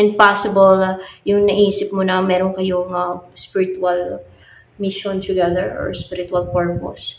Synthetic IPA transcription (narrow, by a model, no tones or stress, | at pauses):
ʔɛ̃nd̪̚pasɪboljʊŋnɐʔiːsɪp̚monɐmɛːɾoŋkɐjoŋɐspɪɾɪt̪wɐl | mɪʃont̪ʊɡɛðɛɹʔɔ̰ɹspɪɾɪt̪uɐlpɔɹpo̰s